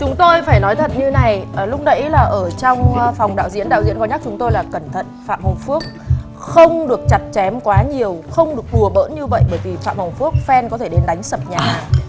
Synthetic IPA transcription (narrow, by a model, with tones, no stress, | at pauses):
t͡ɕʊ˨˦ŋ͡mt̪o˧jfaː˧˩jnɔ˨˦jt̪ʰə̰˨t̚ɲɨ˧na˨˩jlʊ˦˥k͡p̚ɗə̰˧˥jlaː˨˩ʔəː˧˩t͡ɕɔ˧wŋ͡mfa˨˩wŋ͡mɗa̰ː˧˨wzḭ˧˥ənɗa̰ː˧˨zḭ˧˥ənkɔ˨˦ɲa˦˥k̚t͡ɕʊ˨˦ŋ͡mt̪o˧jlaː˨˩kə˧˩nt̪ʰə̰˧˨n̚fa̰ː˧˨mhə˨˩wŋ͡mfu˦˥ək̚ | xə˧wŋ͡mɗɨ˨˩ək̚t͡ɕa˨˩t̚t͡ɕɛ˨˦mkwaː˨˦ɲi˨˩əwxə˧wŋ͡mɗɨ˨˩ək̚ɗu˨˩əɓə̰ː˧˥nɲɨ˧və̰˧˨jɓəː˧˩jvi˨˩fa̰ː˧˨mhə˨˩wŋ͡mfu˦˥ək̚fɛ˧nkɔ˨˦t̪ʰe˧˩ɗe˨˦nɗa˨˦jŋ̟sə˨˩p̚ɲaː˨˩˨